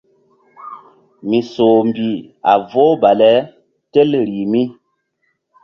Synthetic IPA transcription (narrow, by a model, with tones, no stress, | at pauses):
mi˨so˨m˨bi˨a˨vo˦ba˨lɛ˦ | tɛ˦lɾi˨mi˦